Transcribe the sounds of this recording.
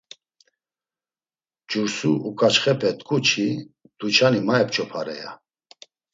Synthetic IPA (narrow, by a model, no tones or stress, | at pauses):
d͡ʒuɾsuʔukʼat͡ʃχɛpʰʼɛt̪ʼkʼut͡ʃʰi | d̪̥ut͡ʃʰanimaɛpt͡ʃʰʼɔpʰaɾɛ̰ja̰